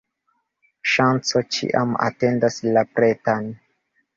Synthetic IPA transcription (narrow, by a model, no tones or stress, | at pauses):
ʃant͡so̞t͡ʃḭʔa̰ma̰te̞ndaslapɾetan